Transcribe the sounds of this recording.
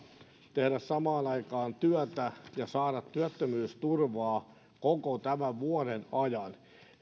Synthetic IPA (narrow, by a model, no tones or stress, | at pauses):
t̪ehɾæssɑmɑːnɑikɑːnt̪yœt̪æjɑsɑːɾɑt̪tyæt̪ːømyːst̪urʋɑː | kokot̪æmæʋʋuoɾenɑjɑn